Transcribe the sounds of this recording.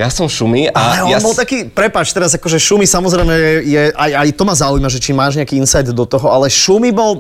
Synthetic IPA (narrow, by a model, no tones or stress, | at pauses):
jasɔmʃumialɛɔbɔlˠt̪akiːpɾɛpat͡ʃt̪ɛɾazakɔʒɛʃumisamɔzɾɛjmɛɛjɛʔajajt̪ɔmazaujimaʒɛt͡ʃimaːʒɲɛakiːinsajd̪ːɔt̪ɔɦɔalɛʃumibɔl